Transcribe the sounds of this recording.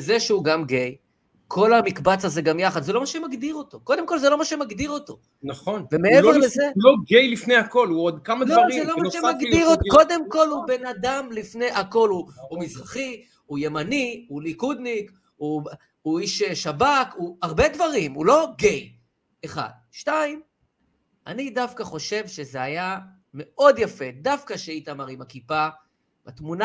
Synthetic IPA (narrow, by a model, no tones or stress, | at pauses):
ezeʃeuɡamɡe̞j | kʰo̞lamikbat͡saze̞ɡamjaχad̪zelo̞maʃemaɡd̪iʁo̞t̪o̞ko̞d̪e̞mko̞lzelo̞maʃemaɡd̪iʁo̞t̪o̞ | naχonvemeeveʁlezeloɡejlifnejako̞luod̪kamadloizelomaʃemaɡd̪iʁotko̞d̪e̞mko̞lube̞nad̪amlifne̞jʔako̞luumizʁaχi | uje̞maniulikud̪nik | u | uiʃeʃabakuaʁbe̞d̪vaʁimulo̞ɡej | eχa̰d̪̚ | ʃtaim | a̰nid̪afkaχo̞ʃe̞vʃezeaja | me̞ʔo̞d̪jafe̞dafkaʃeit̪amaʁimakipa | bat̪muna